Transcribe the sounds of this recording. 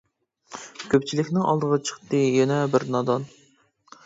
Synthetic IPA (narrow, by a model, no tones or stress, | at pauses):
kʲʰøp̚t͡ʃʰilɪkʲnɪŋɑlˠd̪əʁɑt͡ʃʰə̥χt̪ɨjɛnɛbɪɾnɑd̪ɑn